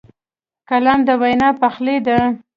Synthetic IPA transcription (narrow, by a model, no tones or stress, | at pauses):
kalɑmd̪əwajnɑpaxled̪a